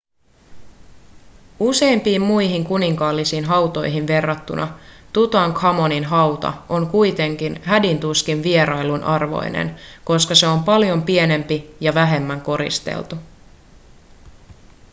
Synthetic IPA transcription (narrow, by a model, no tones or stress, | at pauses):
use̞impiːmmujɦiŋkuniŋkɑːlːisiːnɦɑwt̪o̞jɦinʋe̞rːɑt̪ːṵnʔɑt̪ut̪ɑŋkʰɑmo̞ninɦɑwt̪ɑ̰ʔo̞ŋkujt̪e̞ŋk̟inɦædint̪uskinʋie̞ɾɑjlunʔɑrʋo̞̰jnḛnko̞skɑse̞o̞mpɑljo̞mpie̞ne̞mpijɑʋæɦe̞mːæŋko̞ɾḭst̪ḛlt̪u